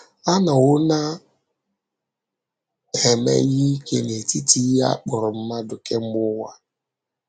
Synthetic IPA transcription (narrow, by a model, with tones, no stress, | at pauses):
a˦na˨ʊ˦na˦ | he˨mḛ˦ɣi˦i˦ke˦ne˨ti˦ti˦ja̰˦k͡pʊ˨ɾʊ˨m̩˦ma˦dʊ˨ke˦ŋ͡m̩˦ɡ͡bʊ˦wa˦